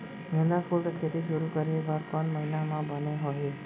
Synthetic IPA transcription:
ɡẽnd̪afulʈkʰet̪iʃʊɾukəɾeʋaɾkɔɳməɦinamãbʱəneɦoɦi

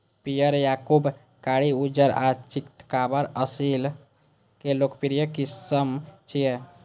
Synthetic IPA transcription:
pijəɾjaːkub | kaːɽiud͡ʒəɾat͡ʃikt̪kaːbəɾəsil | keloːkpiɾijəkisəmt͡ʃije

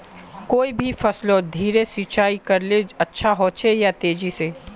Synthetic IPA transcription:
koːibʱifʰɐslod̪ʱiːɾesit͡ʃaːikɐɾled͡ʒɐtːʃʰaɦoːt͡ʃejat̪eːd͡ʒise

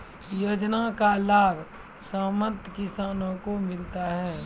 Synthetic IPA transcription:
joːd͡ʒnakalaːbʱ | saːmənt̪kɪsaːnõkomɪlt̪aɦɛː

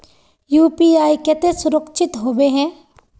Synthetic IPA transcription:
juːpiːaːikɛt̪esʊɾəkʃʰɪt̪ɦoːbeɦɛ̃ː

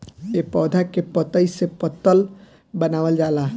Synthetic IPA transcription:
epɔːd̪ʱakepət̪əisepət̪ːəl | bənaːʋəld͡ʒaːla

